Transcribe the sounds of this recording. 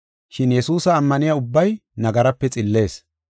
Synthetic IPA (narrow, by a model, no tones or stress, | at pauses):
ʃɪnjɛsuːsɐːmːɐnɪjaʊbːɐjnɐɡɐɾɐpːɛt͡sʼɪlːe̞ːs